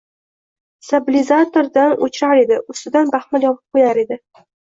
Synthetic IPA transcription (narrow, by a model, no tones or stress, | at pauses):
sabɪlʲɪzat̪oɾd̪anot͡ʃʰɪɾaɾe̞d̪ɪʔʊst̪ɪd̪anbaχmaljɒpʰɨp̚qʰojaɾe̞d̪ɪ